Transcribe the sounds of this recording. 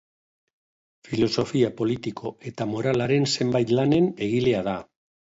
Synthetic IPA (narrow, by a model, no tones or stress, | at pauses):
filo̞so̞fiapo̞lit̪ikʰo̞e̞t̪amo̞ɾalaɾe̞nse̞mbajt̪lane̞ne̞ɣ̞ile̞aða